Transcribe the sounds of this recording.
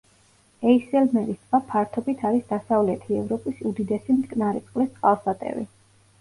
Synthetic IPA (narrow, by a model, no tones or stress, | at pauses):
ɛisɛlmɛɾist̪vapʰaɾt̪ʰɔbit̪ʰaɾisd̪asavlɛt̪ʰiɛvɾɔpʼisud̪id̪ɛsimt̪ʼkʼnaɾɛt̪sʼqʼlist̪sqʼalˠsat̪ʼɛ̰vḭ